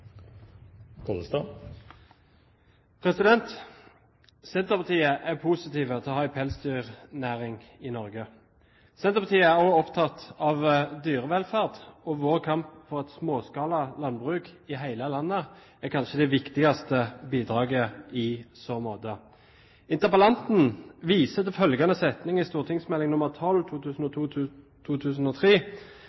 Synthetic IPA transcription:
kʰɔləst̪ɑ | pʰʁɛsɪd̪ɛnt̪ | sɛnt̪əʁpɑt̪ʰiːəʔæʁpʰusɪt̪iːʋət̪ʰɛɔhɑːæɪpʰɛlsd̪yːʁnæːʁɪŋɪnɔʁɡə | sɛnt̪əʁpɑt̪ʰiːəæʁoɔpt̪ʰɑt̪ːɑʋd̪yːʁəʋɛlfæʁd̪ɔʋoːʁkʰɑmpfɔʁɛt̪smoːskɑːlɑlɑnːbʁʉːkɪɦæɪləlɑnːə | æʁkʰɑnʃəd̪ɛʋɪkt̪ɪɡɑst̪əbiːd̪ʁɑːɡəɪsoːmoːt̪ə | ɪnt̪əʁpɑlɑnt̪n̩ʋiːsət̪fœlɡɑnəsɛt̪nɪŋɪst̪uːʁt̪ʰɪŋsmɛlːɪŋnʊməʁt̪ʰɔlːt̪ʰuːʉːsn̩ɔ | t̪ʰuːt̪ʰʉːsn̩ɔt̪ʰʁiː

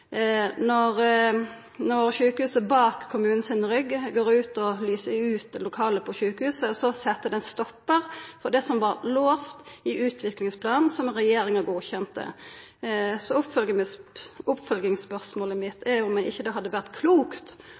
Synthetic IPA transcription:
nɔɾ | nɔɾçʉːkəhʉːsəbɑːkʰːʊmʉːnn̩sɪnɾʏɡɡoːɾʉːt̪ɔlyːsəʉːt̪̚d̪ɛlʊkʰɑːləpʰɔçʉːkəhʉːsəsɔsɛt̪ːəd̪ɛnst̪ɔpːəʁfɔd̪ɛsɔmʋɑɾloːft̪ɪʔʉːt̪ʰʋɪklɪŋspʰlɑːnsɔmʁɛjeːɾɪŋəɡuːçɛnt̪ə̰ | sɔʊpfœlɡəəsʊpːfœlɡɪŋspœʁsmoːləmɪt̪ʰːæʊmæɪɪçːəd̪ɛɦɑd̪ːəʋæʁt̪kʰluːkt̪

